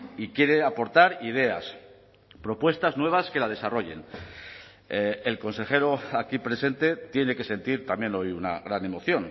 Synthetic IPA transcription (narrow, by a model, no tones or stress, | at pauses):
ikje̞ɾeapo̞ɾt̪aɾið̞e̞a̰s | pɾo̞pwe̞st̪aznwe̞βaske̞lað̞e̞saro̞ʝe̞̰n | elko̞nse̞xe̞ɾoakipɾe̞se̞nt̪e̞t̪je̞ne̞ke̞se̞nt̪iɾt̪amje̞no̞juna̰ɣɾane̞mo̞θjo̞n